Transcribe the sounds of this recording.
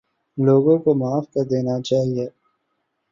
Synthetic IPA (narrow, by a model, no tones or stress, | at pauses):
loːɡõkomaːfkɐɾd̪eːnat͡ʃaːɦieː